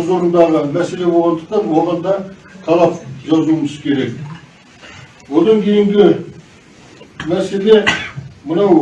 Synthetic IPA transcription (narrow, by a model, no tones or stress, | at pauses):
zo̞ɾənd̪ɑʁəmæse̞le̞bolˠɑnd̪əq̚t̪ɑnwoʁɑnd̪ɑ | t̪ʰɑlˠɑpʒɑzuməzkʲʰe̞ɾe̞k | wo̞d̪ɑŋkʲʰe̞jɪŋɡʲɪ | mæse̞le̞mənɑw